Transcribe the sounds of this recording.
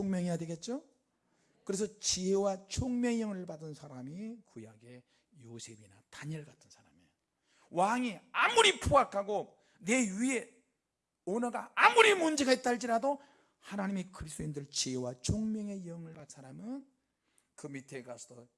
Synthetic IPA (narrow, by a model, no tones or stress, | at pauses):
oŋmjʌŋijadweɡe̞t̚t͡ɕ͈o | kɯɾe̞s̬ʰʌt͡ɕiɦe̞wat͡ɕʰoŋmjʌŋjʌŋɯɭbadɯnsʰaɾamikujaɡe̞ | josʰe̞binataɲʌɭɡatʰɯnsʰaɾame | waŋeamuɾipʰoɡakʰaɡo | ne̞ɥie̞ | onaɡaamuɾimund͡ʑeɡait̚t͈aɭd͡ʑiɾado | hanaɲimikɯɾisʰt͈oindɯɭt͡ɕiɦewat͡ɕʰoŋmjʌŋe̞jʌŋɯɭbat̚sʰaɾamɯn | kɯmitʰeɡasʰʌdʌ